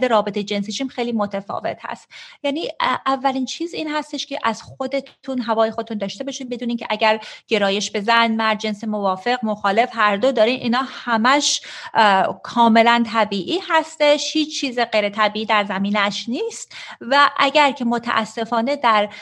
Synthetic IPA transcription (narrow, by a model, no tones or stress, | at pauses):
d̪eɾɒːbet̪ʰejed͡ʒe̞nsit͡ʃʰimxejliːmot̪ʰefɒ̰ːve̞̰t̪hæ̰st̪jæːniːʔævːæliːnt͡ʃʰiːziːnhæst̪e̞ʃcʲʰeʔæz̥xo̞d̪e̞t̪ʰunɦævɒːjexo̞d̪et̪und̪ɒːʃt̪e̞bɒːʃiːnbe̞d̪uːniːncʰeʔæɟæɾɟ̥e̞ɾɒːje̞ʃbe̞zænmæɾd̪̚d͡ʒe̞nsemo̞vɒːfe̞ɣmoxɒːle̞fhæɾd̪od̪ɒːɾinʔḭːnɒːhæmæʃ | kʰɒːme̞lænt̪ʰæbiːʔiːhæst̪e̞ʃhiːt͡ʃt͡ʃʰːiːzeɢejɾet̪ʰæbiːiːd̪æɾzæmiːnæʃniːst̪væʔæɟæɾcʰe̞mot̪ʰæ̰ʔæ̰sːe̞fɒːne̞d̪æɾ